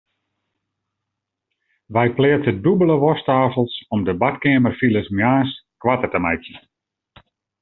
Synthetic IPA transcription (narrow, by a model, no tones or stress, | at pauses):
ʋɛjplɪətədubələʋɔstaːfəlˠsɔmdəbatkɪəmərfiləsmjaːskʋatətəmɛjtjə